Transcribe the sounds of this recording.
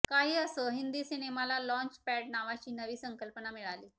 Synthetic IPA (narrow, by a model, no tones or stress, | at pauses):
kaɦiːəsəɦind̪iːsinemalalɔ̃ɲt͡ɕpɛɖnaʋat͡ɕiːnəʋiːsəŋkəlpənamiɭaliː